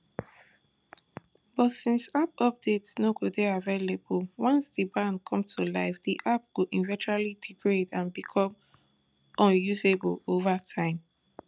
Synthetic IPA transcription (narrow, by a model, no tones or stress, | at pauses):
b̥ɔtsĩnsap̚ɔp̚detsnoɡodeavelebəlwɔ̃nsdibãndkʰɔ̃mtʰulaɪfdiʔap̚ɡ̥oʔĩnvɛ̃t͡ʃɹalidiɡɹedãnbikʰɔ̃m | ʔɔ̃njuzebəlovatʰãɪ̃m